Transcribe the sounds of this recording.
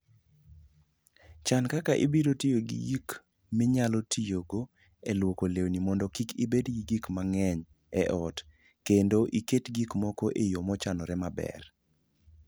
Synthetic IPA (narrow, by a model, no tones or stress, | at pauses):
t͡ʃankakaʔibidotijoɡḭjik | mɪɲalɔtʰijoɡo | elwokolewnimɔndɔkikibedɡiɡikmaŋɛɲ | ɛʔɔt | kendoʔiketɡikmɔkoʔejomɔt͡ʃanɔɾɛmabɛ̰r